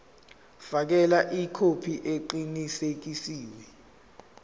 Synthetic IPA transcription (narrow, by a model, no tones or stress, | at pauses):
fak̬ɛlaʔikʰopʰiʔeǃinisek̬isiːwɛ